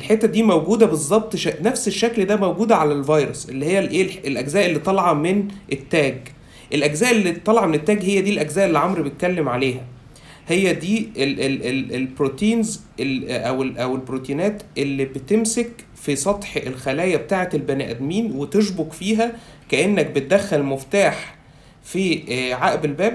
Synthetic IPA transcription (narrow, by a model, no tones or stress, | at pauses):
elħet̪ːæd̪iːmæwɡuːd̪æbezˤːɑb̚t̪ˤʃænæfseʃːækld̪æmæwɡuːd̪ʕalælvɑjɾosʔelːihejːælʔeːelʔæɡzæːʔelːiːt̪ˤɑlʕɑmenʔet̪ːæːɡ | ʔelʔæɡzæːʔelːit̪ˤːɑlɑʕɑmenet̪ːæːɡhejːæd̪ilʔæɡzæːʔelːiʕomɾbejt̪̚kælːemʕaleːɦæ | hejːæd̪iːeʔelelelbɾot̪iːnz | elʔæwelʔæwelbɾot̪iːnæːt̪ʔelːibet̪emsek | fisˤɑt̪ˤħḛlxælæːjæbet̪aːʕet̪elbænæ̰ʔæd̪miːnwet̪eʃboɡfiːɦæ | kæʔenːæk̚bet̪̚d̪æxːælmoft̪aːħ | fiːʕaʔbelbæːb